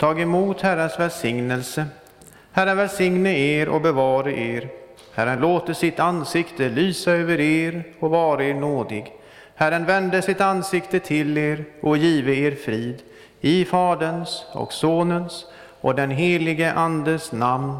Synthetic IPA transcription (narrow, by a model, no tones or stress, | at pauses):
t̪ʰɑːɡɛmuːt̪hæɾənsvɛlsɪŋnəlsə | hæɾənvɛlsɪŋnəɾeːɾʔɔ̰bɛvɑːɾaʔeːɾ | hæɾənloːt̪əʂɪt̪ansɪkt̪əlyːsaøːvəɾeːɾɔkvɑːɾaeːɾɳoːd̪ɪɡ | hæɾənvɛnd̪əʂɪt̪ansɪkt̪ət̪ʰɪleːɾɔkjiːvəeːɾfɾiːd̪ | ɪfɑːd̪ənsɔ̰ksoːnəns | ɔ̰d̪ɛnɦeːlɪɡəʔand̪əsnamn